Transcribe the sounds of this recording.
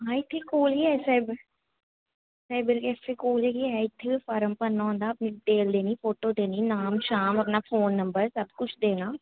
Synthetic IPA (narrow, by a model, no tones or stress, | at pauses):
ɦãːɪt̪ʰːekoːliɛsɛjb | sɛːbɪɾkɛːfekoːlekiɦɛɪt̪ʰːeifɔːɾəmpənːãːɦõːnd̪aːɐpniːʈeːld̪eːniːfoːʈoːd̪eːniːnaːmʃaːmɐp̬naːfʰoːnːəmbəɾsɐbkʊt͡ʃʰd̪eːnaː